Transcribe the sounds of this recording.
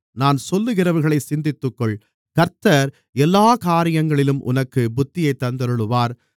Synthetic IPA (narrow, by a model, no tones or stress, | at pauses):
naːnsɔlːɯɣɪrɐʋɐɾɣɐɭɐɪsɪnd̪ɪt̪ːɯkːɔɭ | kɐɾt̪ɐɾ | ɛlːaːkaːɾɪjɐŋɡɐɭɪlɯmʔʊ̰nɐkːɯbʊt̪ːɪjɐɪt̪ːɐnd̪ɐɾɯɭɯʋaːɾ